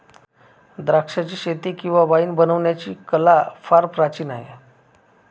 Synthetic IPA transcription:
d̪ɾakʂat͡ɕiːɕet̪ikĩw̃ʋaʋaiːnbənəʋɳjat͡ɕiːkəlafaɾpɾat͡ɕiːnaɦḛ

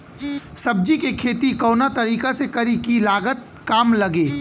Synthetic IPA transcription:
sɐb̚d͡ʒikekʰeːt̪ikɔːnat̪ɐɾiːkasekɐɾikilaːɡət̪̚ | kaːmlɐɡeː

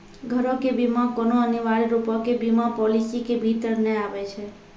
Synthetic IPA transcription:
ɡʱəɾõkebimãkɔnoəniʋaɭiɾupɔkebimãpɔlisikebʱit̪əɾneaʋet͡ʃʰe

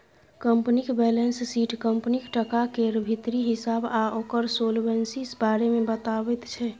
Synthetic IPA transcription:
kəmpnikbɛlensːiʈkəmpnikʈəkakeɾbʱit̪ɾiɦisabaokəɾsolbensisbaɾemebət̪abɛt̪t͡ʃʰɛ

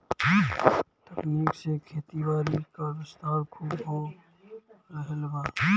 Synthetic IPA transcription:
t̪əkniːksekʰeːt̪ibaːɾikabɪst̪aːɾkʰuːbɦo | ɾəɦəlbaː

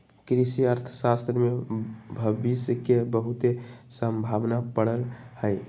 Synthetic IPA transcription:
kɾisiəɾt̪ʰəsast̪ɾəmebʱəbiskebəɦut̪esəmbʱabnapəɽəlhəj

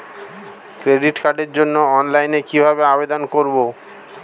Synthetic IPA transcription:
kɾeɖiʈkaɖeɾd͡ʑonːoɔnlajnekibʱabeabed̪onkoɾbo

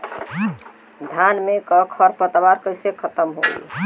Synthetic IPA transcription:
d̪ʱanmekəkʰəɾpət̪baɾkəjsekʰət̪əmɦo̰j

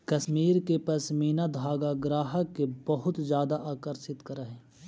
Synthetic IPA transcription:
kɐsmiːɾkepɐsmiːnad̪ʱaːɡaɡɾaːɦəkːebɐɦʊt̪zjaːd̪aʔaːkəɾsɪt̪kɐɾəɦeː

